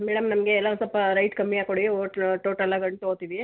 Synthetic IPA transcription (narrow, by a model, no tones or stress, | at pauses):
mɛːɽɐmnɐmɐɡeːlːɐʋɐsɐlpːɐɾɐjʈkɐmːiaːkoɽioːʈʈoːʈɐlːaɡɐɳɖt̪oːt̪iːʋi